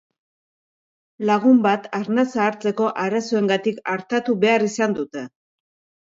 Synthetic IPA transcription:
laɣ̞umbat̪aɾnasaːɾt͡se̞ko̞ʔaɾaso̞e̞ŋɡat̪ikaɾt̪at̪uβe̞arisand̪ut̪e̞

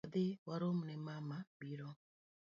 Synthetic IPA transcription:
d̪ewaɾomunemamabiɾɔ

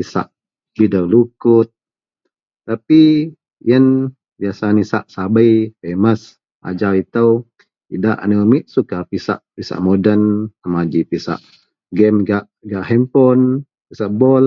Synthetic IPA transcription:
pisa̰ʔ | bidawlukʊt̪̚ː | api | jən | biasanisa̰ʔsabəjfeməs | ʔa̰d͡ʒawit̪əw | idaʔa̰nəmiʔ̪̚sukapisa̰ʔpisa̰ʔmodənsamad͡ʒipisa̰ʔ | ɡɛmɡaʔ | ɡaʔɦɛmpɔn | pisaʔbɔl

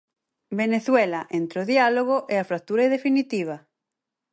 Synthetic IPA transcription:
beneθwelaʔent̪ɾoðialoɣoʔeafɾak̚t̪uɾaeðefinit̪iβ̞ɐ

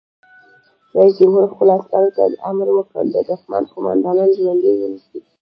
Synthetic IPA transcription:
ɾɑisd͡ʒʊmhuɾxʊlɑst̪ɑnot̪ad̪əʔamɾwəkɽə̰ld̪əd̪ahma̰nkʊmɑ̰nd̪ɑnɑnʒwand̪ewənisi

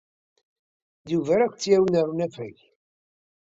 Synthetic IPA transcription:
ðuvæɾækʷːt͡sːjæwnəɾnæfæʝ

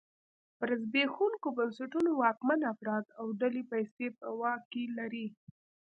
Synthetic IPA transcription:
pəɾazbexuŋkobansaʈunowɑkmanafɾɑd̪awɖalipajsep̚əwɑkelaɾi

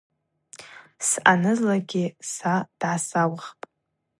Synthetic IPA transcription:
sʔanɨzlaɡʲɪsad̥ʕasawχpʼ

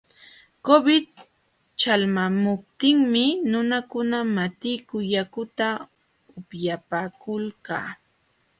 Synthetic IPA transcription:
kobɪt̪ | t͡ʃalmamʊp̚t̪ɪŋmɪnʊnakʊnamat̪ɪjkʊjakʊt̪a | ʊpjapaːkʊlka̰ː

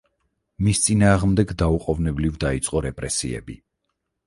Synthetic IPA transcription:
mist̪sʼinaːʁmd̪ɛɡd̪auqʼɔvnɛblivd̪ait̪sʼqʼɔɾɛpʼɾɛsḭɛ̰bḭ

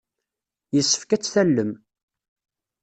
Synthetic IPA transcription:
jəsːə̥fkæt͡sːθælːəm

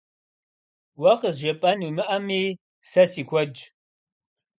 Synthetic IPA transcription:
wɐqəzʒɐpʼɐnumɨʔɐmiː | sɐsiːkʷʰɔd͡ʒ

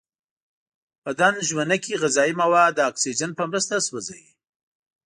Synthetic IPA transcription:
pəd̪anʒwanakiɣazɑimawad̪əːksid͡ʒanpəmɾəst̪aswəzaji

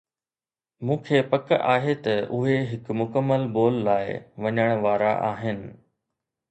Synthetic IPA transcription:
mũːkʰeːpɐkaːɦet̪ɐʔʊɦeɦɪkmʊkəmːəlboːlːaːɪʋɐɲəɽ̃ʋaːɾa̰ʔa̰ːɦɪnɪ̆

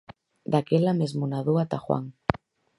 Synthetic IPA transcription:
d̪akelamezmunaðuat̪axwa̰ŋ

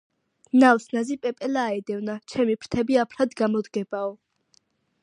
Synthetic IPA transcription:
nawsnazipʼɛpʼɛlaːɛd̪ɛvnat͡ʃʰɛmipʰɾt̪ʰɛbiapʰɾad̪ɡamɔd̪ɡɛbaɔ

